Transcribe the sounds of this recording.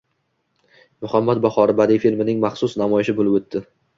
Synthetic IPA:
mʊhamːat̪̚baχɒɾɪbad̪ijfilmɪnɪŋmaχsʊsnamɒjɪʃɪbolɪbot̪ʰːɪ

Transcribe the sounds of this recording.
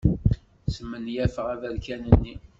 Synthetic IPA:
səmːəljæfʁævælkænənːi

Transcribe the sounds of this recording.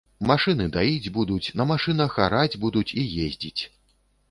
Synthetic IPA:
maʂɨnɨd̪ajid͡zʲbud̪ut͡sʲnɐmaʂɨnɐxaɾad͡zʲbud̪ut͡sʲijezʲd͡zʲit͡sʲ

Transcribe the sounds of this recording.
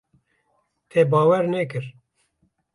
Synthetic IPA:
t̪ʰeːbɑːwɛɾnɛk̬ɨɾ

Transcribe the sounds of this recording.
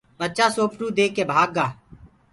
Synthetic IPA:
bət͡ʃaːsoːpʈuːd̪eːkːeːbʱaːɡ̚ːaː

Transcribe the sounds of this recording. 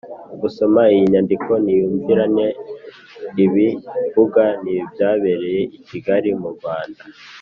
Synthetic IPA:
uβuso̞maijiɲandikʰo̞nijuːmviɾane̞ | iβivuɡanibjaːβe̞ɾe̞je̞ʔiciɡaɾimuɾwaːnda

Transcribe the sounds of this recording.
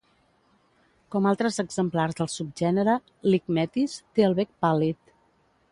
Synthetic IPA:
kɔmalˠt̪ɾəzəɡzəmplarzðəlˠsub̚ʒɛnəɾə | lik̚mɛt̪ist̪eəlˠβɛk̚palit̪

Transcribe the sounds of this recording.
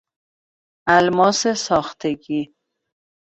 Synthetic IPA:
almɔsesɑxt̪aɡi

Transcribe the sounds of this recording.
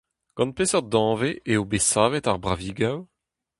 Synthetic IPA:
ɡ̥ɑ̃npesɛʁd̪ɑ̃ːveʔeobesaːvɛtaʁbʁaviːɡaw

